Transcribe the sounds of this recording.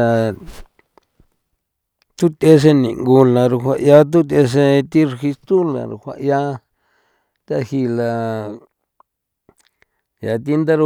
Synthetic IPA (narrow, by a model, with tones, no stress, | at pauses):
a˧ | t̪u˦t̪e˧s̬e˦˧nḭ̃˨ŋɡu˧la˧ɾu˧hʷa˧ʔja˦t̪̬u˦t̪̬e˧s̬e˧t̪i˦ɾxi˧st̪u˦la̰˨ɾṵ˧˨hʷa̰˧ʔja˦ | t̪a˧hi˧la˧ | ja˨˧t̪i˦nd̪a˦ɾu˧˦